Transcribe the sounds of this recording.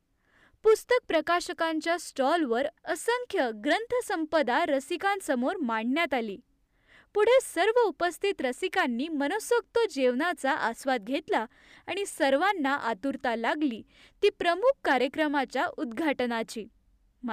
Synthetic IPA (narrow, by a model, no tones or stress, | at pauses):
pust̪ək̚pɾəkaɕəkaɲt͡ɕjasʈɔlʋəɾəsəŋkʰjəɡɾənt̪ʰəsəmpəd̪aɾəsikãnsəmoɾmaɳnjat̪aliː | puɽ̤esəɾʋəupəst̪ʰit̪ɾəsikanːiːmənosək̚t̪od͡ʑeʋnat͡saʔasʋad̪̚ɡʱet̪la | aɽ̃isəɾʋanːaʔat̪uɾt̪alaɡliː | t̪iːpɾəmuk̚ʰkaɾjəkɾəmat͡ɕjaʔud̪ɡʱaʈnat͡ɕiː | m